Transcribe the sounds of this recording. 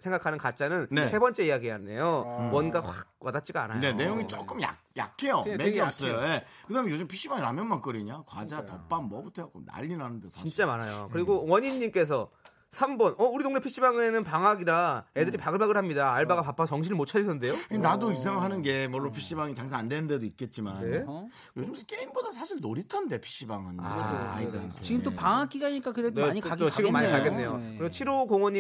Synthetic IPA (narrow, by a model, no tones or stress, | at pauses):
sʰe̞ŋɡakʰanɯnkat̚t͡ɕ͈anɯnnesʰe̞bʌnt͡ɕ͈e̞ijaɡiane̞̰jowʌnɡaɸwak̚k͈wadat̚t͡ɕ͈iɡaa̰na̰jene̞joŋit͡ɕ͈ok͈ɯmja̰ | ja̰kʰe̞jomeɡiʌp̚s͈ʌjojekɯdamejod͡ʑɯmpʰiɕ͈ibaŋiɾamjʌnmank͈ʌɾiɲakwa̰d͡ʑatʌp͈anmʌbɯtʰʌokona̰ʎːinanɯndeint͡ɕ͈amaɾajo̰kɯɾiɡowʌɲiɲːimk͈e̞s̬ʰʌ | sʰambʌnʌuɾidoŋnepʰiɕ͈ibaŋɯenɯnpaŋaɡiɾae̞dɯɾipaɡɯɭbaɡɯɭɦamɲidaːɭbaɡapapʰasʌŋɕ̬ʰiɾɯmot͡ɕʰad͡ʑisʰʌnde̞jokɯenadois̬ʰaŋɯɭɦanɯnɡe̞mʌɭːopʰiɕ͈ibaŋit͡ɕaŋs̬ʰaandenɯnde̞doik̚k͈e̞t̚t͡ɕ͈imane | jod͡ʑɯmʰk͈eimbodasʰaɕʰiɭnoɾitʰande̞pʰi̥ɕ͈ibaŋɯna̰edea̰idɯɾɯnt͡ɕiɡɯmt͈opaŋak͈iɡaɲik͈akɯɾeneɡot͡ɕiɡɯmːaɲikaɡenːe̞jo̰kɯɾiɡot͡ɕʰiɾokoŋwʌɲi